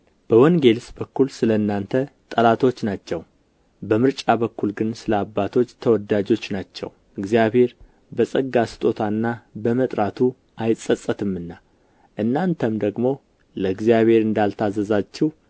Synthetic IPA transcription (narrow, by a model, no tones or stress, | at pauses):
b̥əwɔŋɡe̞lsbəkːulsɨləɨnːant̪ʰət̪ʼəlat̪ʰo̞t͡ʃːnat͡ʃːɛw | bəmɨɾt͡ʃʼabəkːulɡɨnsɨləabːat̪ʰo̞t͡ʃːt̪ʰəwɔd̪ad͡ʒo̞t͡ʃːnat͡ʃːɛ̰w | ɨɡzijaβhe̞ɾ | bəsʼəɡːasɨ̥t̪ʼo̞t̪ʰanːabəmət̪ʼɾat̪ʰu | ʔajsʼəsʼət̪ʰɨmːɨnːa | ʔɨnːant̪ʰəmd̪əɡmo̞ | ləɨɡzijaβhe̞ɾɨnd̪alt̪ʰazəzat͡ʃːɪh